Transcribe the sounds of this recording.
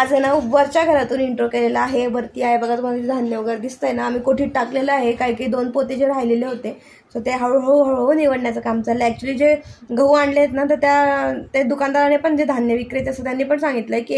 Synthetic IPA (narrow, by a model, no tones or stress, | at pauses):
ad͡zenaubʋəɾt͡ɕjaɡʱəɾat̪uːniɳʈɾokeleləaɦebʱəɾt̪iːaɦebəɡʱat͡sməɡat͡ɕid̪ʱanjəʋəɡəɾd̪ist̪əjenaːm̤iːkoʈʰiːʈakleləaɦekaɦikaiːd̪onpot̪ed͡ʑeɾajleleɦot̪e | səɾt̪eɦaɭoɦoɦɦoniʋəɽnjat͡səkamd͡zaleæk̚t͡ɕuəliːd͡zeɡʱəʋuaɳɖleet̪nat̪əɾt̪jat̪ed̪ukand̪aɾanepəɳd͡zed̪ʱanjəʋikɾet̪jasət̪janːiːpəɳsãŋɡit̪ləeki